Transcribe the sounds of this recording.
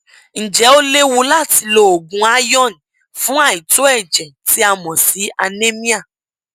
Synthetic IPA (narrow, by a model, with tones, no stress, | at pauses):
n̩˨d͡ʒɛ˨˦o˦le˦wu˧la˦˨ti˧lo˨o˨ɡũ˨a˦jɔ˦˨n˨ | fũ˦a˦˨i˨to˦ɛ˦˨d͡ʒɛ̃˨ti˦a˨mɔ̃˨si˨˦a˧nẽ˦mĩ˦a˦˨